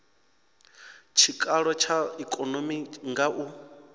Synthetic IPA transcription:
t͡ʃʰikʼaɺɔt͡ʃʰaikʼɔnomiŋɡaʔu

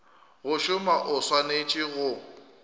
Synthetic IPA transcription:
ɣʊʃʊmaʔʊswanet͡ʃʼɪɣʊ

